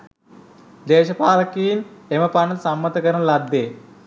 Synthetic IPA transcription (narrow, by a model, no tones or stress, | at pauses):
d̪eːʃɐpaːlɐkijineməpanɐlsamːɐt̪əkəɾənlɐd̪ːeː